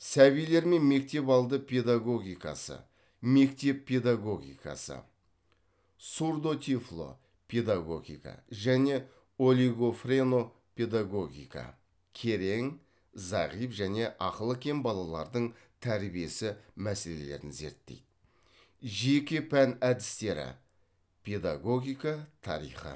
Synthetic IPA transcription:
sæβijle̞ɾme̞nme̞k̚t̪e̞pɑlˠd̪əpʰe̞d̪aɡo̞ɡʲijkɑ̰sə̰ | me̞kt̪e̞pʰːe̞d̪aɡo̞ɡʲḭjkɑ̰sə̰ | suɾd̪o̞t̪ʰiflˠo̰ | pʲʰe̞d̪aɡo̞̰ɡʲḭjkɑ̰ʒæne̞ | o̞lʲiɡo̞fre̞no̞ | pʲʰe̞d̪aɡo̞ɡʲḭjkɑ̰ | kʲʰe̞ɾe̞ŋ | zɑʁijpʒæne̞ʔɑqəlˠəkʲʰe̞mbɑlˠɑlˠɑɾd̪əɴt̪ʰæɾbije̞sɪmæse̞le̞le̞̰ɾɪnze̞̰ɾt̪ːe̞̰jd̪̥ | ʒe̞kʲɪpʰænæd̪ɪ̥st̪e̞ɾɪ̰ | pʲʰe̞d̪aɡo̞ɡʲijkat̪ʰɑ̰ɾḭjχə̰

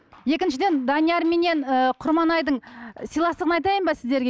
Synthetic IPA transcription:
je̞kʲɪnʃɪd̪e̞nd̪ɑnijɑɾme̞ne̞nəqʰʊɾmɑnɑjd̪əɴsijlˠɑst̪əʁənɑjt̪̬ɑjəmbɑsɪzd̪e̞ɾɡʲe

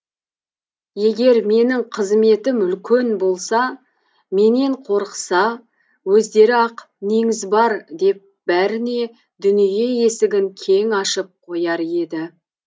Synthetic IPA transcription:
je̞ɡʲe̞ɾme̞nɪŋqʰəzme̞t̪ɪmʏlkʲe̞nbo̞lˠsɑ | me̞ne̞ɴqʰo̞ɾqəsɑ | wɵzd̪e̞ɾɪɑq | neŋɪzbɑɾd̪e̞p̚b̥æɾɪne̞ | d̪ʏnije̞je̞sɪɡʲɪŋkʲʰe̞ŋɑʃəp̚qʰo̞jɑɾe̞d̪ɪ

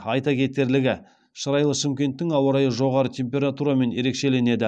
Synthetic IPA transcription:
ɑjt̪ɑkʲʰe̞t̪e̞ɾlɪɡʲɪ | ʃəɾɑjlˠəʃɪmkʲe̞nt̪ːɪŋɑwɑɾɑjəʒo̞ʁɑɾət̪ʲʰe̞mpʲe̞ɾat̪uɾame̞nje̞ɾe̞kʃe̞le̞ne̞d̪ɪ

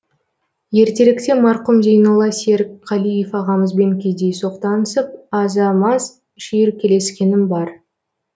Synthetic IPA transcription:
je̞ɾt̪e̞lɪkt̪e̞mɑɾqʊmzejnəlˠɑseɾkqʰɑlijefɑʁɑməzbe̞ŋkʲejd̪ejso̞qt̪ɑnəsəp̚ɑzɑmɑz | ʃijɪɾkʲʰe̞le̞skʲe̞nɪmbɑɾ

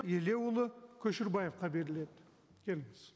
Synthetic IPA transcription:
e̞le̞wʊlˠəkʲʰɵʃɪɾbɑje̞fqɑbe̞ɾɪle̞d̪ɪ | kʲʰe̞lɪmɪz̥

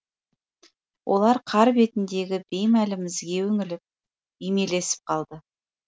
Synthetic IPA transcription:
wʔo̞̰lˠɑɾqʰɑɾbe̞t̪ɪnd̪e̞ɡʲɪbe̞jmælɪmɪzɡʲe̞wɵŋɪlɪp̚ | ijme̞le̞sɪ̥p̚qʰɑlˠd̪ə

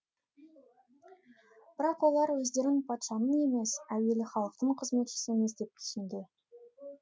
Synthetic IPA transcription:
b̥ɪɾɑqwo̞lˠɑɾwɵzd̪e̞ɾɪŋpʰɑt̪ʃɑnəne̞me̞sæwe̞lɪχɑlˠəqt̪əɴqʰəzme̞t̪ʃɪ̥sɪeme̞s̬d̪e̞p̚t̪ʰʏ̥sɪnd̪e

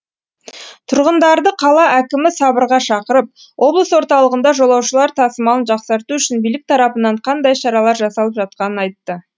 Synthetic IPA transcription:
t̪ʰʊɾʁənd̪ɑɾd̪əqʰɑlˠɑʔækʲɪmɪsɑbəɾʁɑʃɑqəɾəp̚ | wʔo̞blˠəswo̞ɾt̪ɑlˠəʁənd̪ɑʒo̞lˠɑwʃəlˠɑɾt̪ʰɑsəmɑlˠənʒɑqsɑɾt̪uʏʃɪnbijlɪk̚t̪ʰɑɾɑpənɑɴqʰɑnd̪ɑjʃɑɾɑlˠɑɾʒɑsɑlˠəpʒɑt̪̚qɑnənɑjt̪ːə

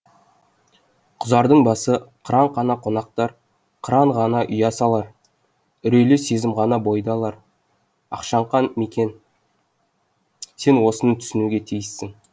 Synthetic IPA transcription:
qʰʊzɑɾd̪əɴbɑsəqʰəɾɑɴqʰɑnɑqʰo̞nɑq̚t̪ɑɾ | qʰəɾɑɴʁɑnɑʔʏjɑsɑlˠɑɾ | ʏɾejlese̞zɪmʁɑnɑbojd̪ɑlˠɑɾ | ɑ̰qʃɑɴqɑnmekʲe̞n | se̞nwo̞sənət̪ʰʏ̥sɪnuɡʲe̞t̪ʰijɪsːɪŋ

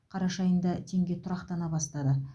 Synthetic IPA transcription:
qʰɑɾɑʃɑjənd̪ɑt̪ʰe̞ŋɡʲe̞t̪ʰʊɾɑqt̪ɑnɑbɑst̪ɑd̪ə

